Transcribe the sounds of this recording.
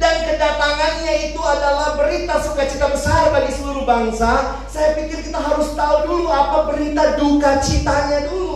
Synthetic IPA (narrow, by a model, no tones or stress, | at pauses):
dankədapaŋanɲait̪uadalahbəɾit̪asukat͡ʃit̪abəsarbadisəluɾubaŋsa | sajapikɪrkit̪aɦaɾʊst̪auduluapabəɾit̪adukat͡ʃit̪aɲad̪ulu